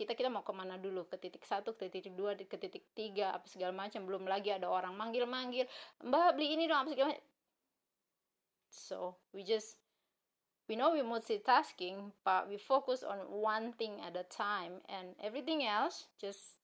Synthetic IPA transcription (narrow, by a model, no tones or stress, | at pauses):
kit̪akit̪amaukəmanadulukət̪it̪ɪksat̪ukə̥t̪it̪ikɪk̚duakət̪it̪ɪk̚t̪iɡaa̰pasəɡalamat͡ʃambəlʊmlaɡiadaoɾaŋmaŋɡɪlmaŋɡɪlmbabliːnidɔŋapasəɡalama | so | wid͡ʒʌs | winowimotsit̪askɪŋpawifokusɔ̰nwant̪ɪŋɛ̰t̪̚dətʰajmɛnɛvɾit̪ɪŋɛlsd͡ʒʌs